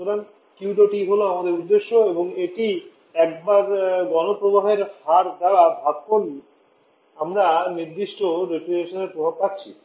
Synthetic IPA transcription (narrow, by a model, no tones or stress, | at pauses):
t̪oɾan | kiuɖoʈiɦoloamad̪eɾud̪ːeʃːoeboŋeʈi | ɛk̚baɾɡɔnopɾobaɦeɾfaɾd̪aɾabʱat̪̚koɾi | amɾaniɾd̪iʃʈoɾepɾeɾeʃoneɾpɾobʱab̚patːɕʰḭ